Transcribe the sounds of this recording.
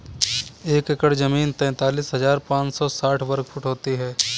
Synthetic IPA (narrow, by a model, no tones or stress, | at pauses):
eːkekəɽd͡ʒɐmiːnt̪ɛ̃ːt̪aːliːsɦɐzaːɾpãːt͡ʃsɔsaːʈʰʋɐɾk̚fʰʊʈɦoːt̪iɦɛː